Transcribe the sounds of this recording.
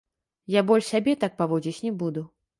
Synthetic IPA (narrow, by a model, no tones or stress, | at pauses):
jabɔlʲʂsʲabʲɛt̪ak̚pavɔd͡zʲit͡sʲnʲɛbud̪u